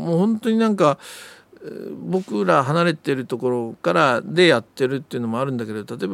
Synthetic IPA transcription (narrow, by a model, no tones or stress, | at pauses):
moːhõ̞nt̪o̞ɲ̟inãŋka | bo̞kɯ̟ɾaɦanaɾe̞t̪eɾɯ̟t̪o̞ko̞ɾo̞kaɾad̪e̞jat̪ːe̞ɾɯ̟t̪ːeiɯ̟no̞mo̞aɾɯ̟̃nd̪akee̞d̪ot̪at̪o̞eba